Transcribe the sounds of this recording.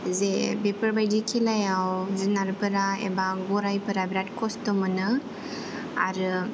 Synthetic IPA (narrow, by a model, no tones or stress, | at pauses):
zebepəɾbajdikʰelajawzunaɾpəɾaḛbaɡɔɾajpəɾabɾat̚kɔstɔmənɯ | a̰ɾɯ